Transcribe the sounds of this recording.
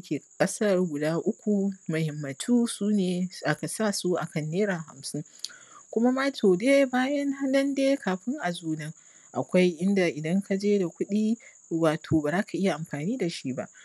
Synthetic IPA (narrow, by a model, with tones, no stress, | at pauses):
kʲeː˨kʼɐ˦sɐ˦rɡʷʊ˨daː˦ʔʊ˦kʷu˨mɐ˨hɛ˨mːɐ˨tʰuː˦suː˦neː˨ʔa˨ka˨saː˦su˦ʔa˨kɐ˨nːeː˦ɾaː˨ɦa̰˨msɪ˦ŋkʷʊ˦ma˦ma˦tʰoː˨deː˦baː˦jɐ˦ŋha˦nɐ˦ndeː˦kʰaː˨ɸɪ˦ŋʔa˨zuː˨nɐ˦ŋ | ʔa̰˨kʷa˦jʔɪ˦nda˨ʔɪ˨dɐ˦ŋkʰa˦d͡ʒeː˦da˨kʷʊ˦ɗiː˦ | waː˨tʰoː˨baː˨zaː˦kʰa˨ʔɪ˦ja˨ʔa˨mɸaː˨niː˦da˨ʃi˦ba̰˦ʔ